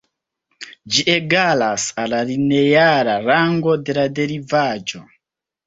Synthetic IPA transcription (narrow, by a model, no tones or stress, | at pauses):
d͡ʒie̞ɡalasalalinejaɾaɾaŋɡo̞de̞lade̞ɾivad͡ʒo̞